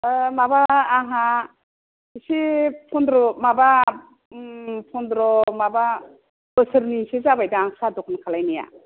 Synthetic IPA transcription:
mabaːɦa | isipʰɔndɾɔmaba | pʰɔndɾɔmaba | bɯsɯɾnisizabajdaːŋsadɔkʰɔnkʰalajnija̰

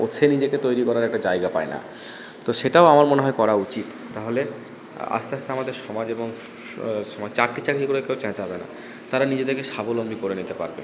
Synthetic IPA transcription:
ot͡ɕʰenid͡ʑeket̪ojɾikɔɾaɾɛk̚ʈad͡ʑajɡapaena̰ | t̪oʃeʈaoamaɾmoneɦɔekɔɾaut͡ɕit̪ːaɦole | a̰st̪east̪eamad̪eɾʃɔmad͡ʑeboŋ | ɔmat͡ɕakʈit͡ɕakɾikoɾekeowt͡ɕɛt͡ɕɦɔbena̰ | t̪aɾanid͡ʑed̪eɾkeʃabolombikoɾenit̪epa̰ɾbḛ

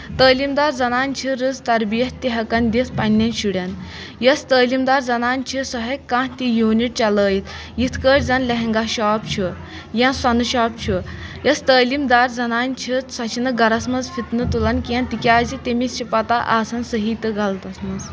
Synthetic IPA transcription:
t̪əːlimd̪aːɾd͡zɐnaːnʲt͡ʃʰiɾɨzt̪ɐɾbijɐt̪ʲːiɦɐkɐnd̪espɐnʲːɐnɕuɽjan | jɐst̪əːlimd̪aːɾd͡zɐnaːnʲt͡ʃʰisɔɦekːãːɦt̪ʲijuːniʈ̚t͡ʃɐləːjit̪ʰ | jit̪ʰkəːʈʲd͡zɐnlʲɐɦɛŋɡaɕaːp̚t͡ʃʰu | jãnsɐnuɕaːp̚t͡ʃʰujɐst̪əːlimd̪aːɾd͡zɐnaːnʲt͡ʃʰit̪sɐt͡ʃʰinɐɡɐɾɐsmɐzfʰit̪nɨt̪ulɐnkʲiãnt̪ikʲaːzit̪ʲemist͡ʃʰipɐt̪aʔaːsɐnsəɦit̪ɨɡʱalt̪ɐsmɐz

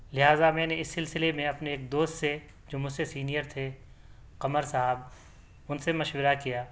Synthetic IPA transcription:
lɪɦaːzamɛ̃ːneɪsːɪlsɪlemẽɐpneeːk̚d̪oːst̪se | d͡ʒoːmʊd͡ʒsesiːnijəɾt̪ʰe | qɐməɾsaɦəb | ʊnsemɐʃwɪɾakijaː

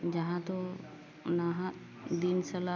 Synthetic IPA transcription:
d͡ʒɐɦãt̪o | naɦã | d̪insɐla

